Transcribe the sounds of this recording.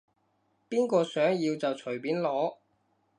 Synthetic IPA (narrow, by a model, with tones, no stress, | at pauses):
piː˥nkɔː˧sœː˨˥ŋjiː˧wt͡sɐ˨wt͡ʃʰɵ˨˩ɥpiː˨˥nlɔː˨˥